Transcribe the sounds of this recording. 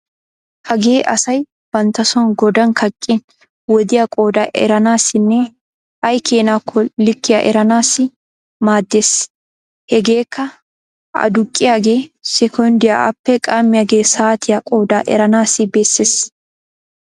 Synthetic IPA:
hɐɡe̞ːʔɐsɐj | b̥ɐnt̪ɐsɔnɡɔd̪ɐnkʰɐkʼːɪn | wɔd̪ɪjakʼo̞ːd̪aːʔɛ̰ɾɐnaːsːɪnːɛ | ɐjkeːnaːkʰːɔlɪkːɪja̰ʔɛ̰ɾɐnaːsːɪ | maːd̪ːeːs | hɛɡe̞ːkːɐ | ɐ̰d̪ʊkʼːɪjaːɡe̞ːsɛkʰɔnd̪ɪja̰ʔɐ̰pːɛkʼaːmːɪjaːɡe̞ːsaːt̪ʰɪjɐkʼo̞ːd̪aːʔɛ̰ɾɐnaːsɪbeːsːeːs

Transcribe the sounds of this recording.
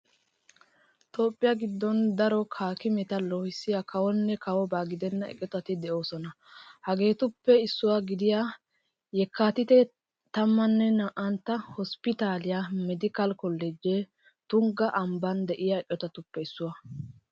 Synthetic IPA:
t̪ʰo̞ːpʼːɪjaɡɪd̪ːɔnd̪ɐɾɔkʰaːkɪmɛt̪ɐloːhɪsːɪjakʰɐwɔnːɛkɐwɔbaːɡɪd̪ɛnːɐɛ̰kʼːɔt̪ɐt̪ɪd̪ɛʔo̞ːsɔnɐ | hɐɡe̞ːt̪ʊpːɛɪsːʊwaɡɪd̪ɪja | jɛkːaːt̪ɪt̪ɛ | t̪ɐmːɐnːɛnɐʔɐnt̪ːɐhɔspɪt̪aːlɪjamɛd̪ɪkɐlkɔlːɛd͡ʒe | t̪ʊŋɡɐʔɐmbɐnd̪ɛʔɪjaɛʔʼːɔt̪ɐt̪ʊpːɛɪsːʊwɐ

